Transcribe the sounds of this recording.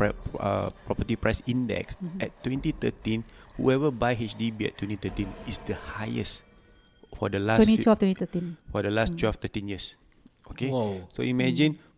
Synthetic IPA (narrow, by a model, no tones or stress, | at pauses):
ə̰pɹɔpətipɹaɪsĩndɛ̰ksɛ̰ttːwɛ̃ntit̪ə̰tĩnhṵɛvəbajɦet͡ʃdibiɛ̰tʰːwɛ̃ntit̪ətĩnisdəhajə̰s | fɔdəlasɛniɛft̪wɛ̃nit̪ətĩnfɔdəlastwɛlft̪ətĩnjiəs | ʔokeso̰imɛd͡ʒĩn